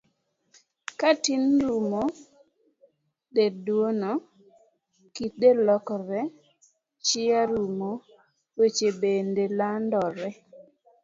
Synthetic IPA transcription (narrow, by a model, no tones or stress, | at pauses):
katinɾumo | dedwono | kit̚delɔkɔɾɛ | t͡ʃɪaɾumo | wet͡ʃebendelandɔɾɛ